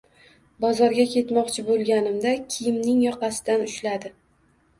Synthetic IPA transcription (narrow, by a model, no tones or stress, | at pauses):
bɒzɒɾɡʲakʲʰe̞t̪mɒqt͡ʃʰɪbolˠɡʲanɪmd̪akʲʰɪjɪmnɪŋjɒqɑsɪ̥d̪anʊʃlad̪ɪ